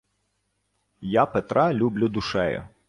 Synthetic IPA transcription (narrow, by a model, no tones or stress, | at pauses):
japet̪ɾʔɑlʲublʲʊd̪ʊʃɛjʊ̰